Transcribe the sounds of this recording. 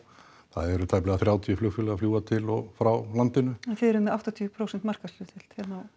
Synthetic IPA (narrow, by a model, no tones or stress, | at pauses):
θa̰ðɛɾʏt̪ʰajplɛɣaθɾjaːwt̪ʰijʏflʏxfʏlafljuːɣat̪ʰɪlɔɣfɾawlant̪ɪnʏɛnθɛðɛɾʏmːʔaft̪at̪ʰiʏpʰɾowsɛnt̪mar̥kaslʏt̪ɪl̥t̪hɛt̪naw